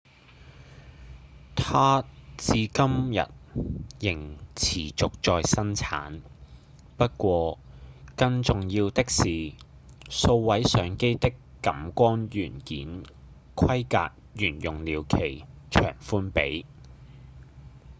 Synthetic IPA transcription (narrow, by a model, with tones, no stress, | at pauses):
t̪ʰaː˥t͡siː˨˧kɐ˥mjɐ̰˨t̚jɪ˨˩ŋt͡sʰiː˨˩t͡sʊ˨k̚t͡sɔː˨˧jsɐ˥nt͡sʰa̰ː˨˥n | pɐ˥t̚kʷɔː˧kɐ˧ŋt͡sʊ˨ŋjiː˧wt̪ɪ˥k̚siː˨ | so˧wwɐ˨˥jsœː˨˥ŋke˥jt̪ɪ˥kːɐ˨˥mkʷɔː˥njyː˨˩nkḭː˨˥n | kʷʰɐ˥jka̰ː˧k̚jyː˨˩njʊ˨˩ŋliː˨˩wkʰe˨˩jt͡ʃʰœ̰ː˨˩ŋfuː˥npe˨˥j